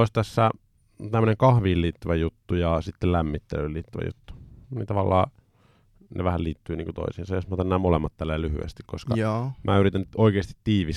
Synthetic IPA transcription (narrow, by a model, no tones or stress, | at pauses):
oˑisʲt̪æsːæ | t̪æmːø̆əneŋkɑhʋiːlliːt̪ːyʋæjut̪ːujɑsit̪ːellæmːit̪ːḛlylḭːt̪ːyʋæ̰jṵt̪ːu̥nḭt̪ɑʋɑlːɑ̰ː | nḛʋæhælliːt̪ːyːniːŋkut̪o̰isiːnsɑjosmɑot̪ɑnæːmolemːɑt̪t̪ælːeːlyhy̰ḛst̪ikkoskɑmʔæːyɾit̪ænoikeːst̪i̥t̪ːiːʋis